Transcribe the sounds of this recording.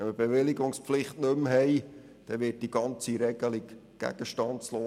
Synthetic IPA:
ɛnməb̥eʋɪliɡʊŋspflɪχtnɵmɦɛɪ | d̥ɛʋɪːt̚d̥iɡ̥ɑnt͡siɾɛɡ̥əlikɡ̥æ̰ɡ̥əʃtɑntt͡sloː

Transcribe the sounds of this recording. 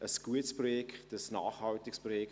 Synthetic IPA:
ʔəsɡ̥uətsprɔjɛktəsna̰ːχhɑwtɪksprɔjɛk

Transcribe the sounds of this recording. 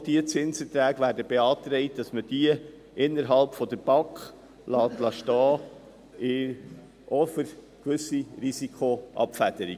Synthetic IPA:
d̥iət͡sɪnsətɾæːɡʋæːɾdəbeɑːt̪ɾɛɪt̚d̥ɑsməd̥iə | ʔɪnːəɾɦɑlpfɔd̥əɾb̥ɑkχ | lɑːt̪lɑʃtɑː | ɪ | ʔɔfəɾ | kʋɵsiɾisikʰχoʔɑ̰pfæd̥əɾi

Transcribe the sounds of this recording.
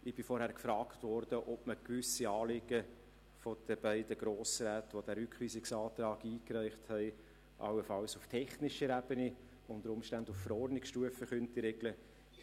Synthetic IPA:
ɪb̥ɪfɔɾhæɾkfɾɑːktvɔɾd̥əʔɔbməkʋʏsiɑːlɪɡ̥ə | fɔd̥əb̥æɪdəɡ̥ɾoːsɾæːtʋod̥̪æːɾʏkχʋiːsɪksɑːt̪ɾɑːɡiːkræɪχthɛɪ | ʔɑ̰wəfɑwsuftʰɛχnɪʃəɾæb̥əni | ʊndəɾʊmʃtændufːəɾɔrdnɪksʃtuəfəχœntiɾeɡ̥lə

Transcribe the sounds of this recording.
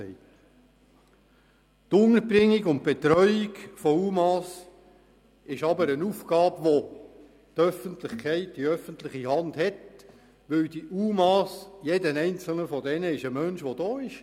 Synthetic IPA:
ɛɪ | t̪ʊŋəɾbɾɪŋːiɡʊnt̚b̥ɛt̪ɾœʏiɡfɔuːmɑːs | ɪʃɑbəɾənuːfɡ̥ɑːbʋo | t̪œfəntlɪχkʰɛɪtd̥iœfənt̪lɪχiɦɑndhɛt | ʋɪwd̥iʔuːmɑːsjedənɛɪnt͡sl̩nəfɔdɛnəɪʃəmœnʃʋodɔːɪʃ

